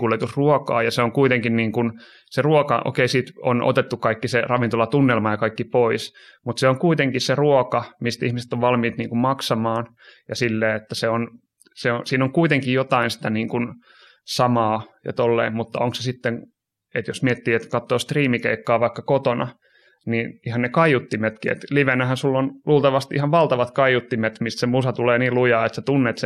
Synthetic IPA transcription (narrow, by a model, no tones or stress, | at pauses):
kulet̪usruokɑ̰ːjɑseoŋkuit̪eŋkinniːŋkun | seruokɑ̰ʔo̰keisiːt̪o̰nʔo̰t̪et̪ːukɑikːiserɑʋint̪olɑt̪unːelmɑjɑkɑikːipois | mut̪seoŋkuit̪eŋkisseruokɑmist̪ihmise̥t̪ːoʋʋɑlmiːt̪niːŋkummɑksɑmɑːn | jɑsilːeːet̪ːæseon | seosiːnoŋkuit̪eŋkijjot̪ɑinsi̥t̪æniːŋkun | sɑmɑːjɑ̰t̪olːḛːmmut̪ːɑ̰oŋksesit̪ːeŋ | et̪josmiet̪ːiːet̪kɑt̪ːoːst̪riːmikḛikːɑːʋɑikːɑkot̪onɑ | niːnihɑnnekɑijut̪ːimet̪kiḛt̪liʋenæhænsulːonluːlt̪ɑʋɑst̪ihɑʋʋɑlt̪ɑʋɑt̪kɑijut̪ːimet̪mist̪semusɑt̪uleːniːlujɑːet̪set̪unːeːt̪se